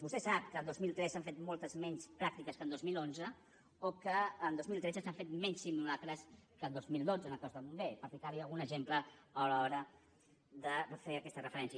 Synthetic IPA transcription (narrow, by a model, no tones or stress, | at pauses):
bust̪ɛsap̚kəːnd̪ozmilˠt̪ɾɛsaɱfet̪mɔlˠt̪əzmɛnspɾak̚t̪ikəskənd̪ozmilonzə | okəːnd̪ozmilˠt̪ɾɛd͡zəsaɱfet̪mɛɲsimulakɾəskənd̪ozmilˠd̪od͡zənəkɔzðəmumbɛpəɾplikaβiəlˠɣunəʒempləəlɔɾə | d̪əəfeəkɛst̪ərəfəɾɛnsiə